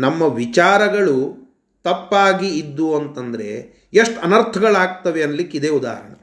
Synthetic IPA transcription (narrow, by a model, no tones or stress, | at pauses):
nɐmːɐʋit͡ʃaːɾɐɡɐɭu | t̪ɐpːaːɡiːd̪ːuɐnt̪ɐnd̪ɐɾe̞̰ | eʂʈɐnɐɾt̪ʰɐɡɐɭaːɡ̚t̪ɐʋeɐnlikːid̪eːud̪a̰ːɾɐɳɐ